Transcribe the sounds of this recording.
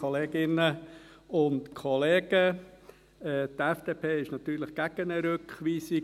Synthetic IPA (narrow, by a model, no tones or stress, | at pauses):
ɔleːɡɪnəʊntkʰɔleːɡ̥ə | ɛːt̪ɛfd̥eːpʰeːɪʃnɑt̪yːɾlɪχɡ̥æɡ̥ənəɾøkχʋiːsi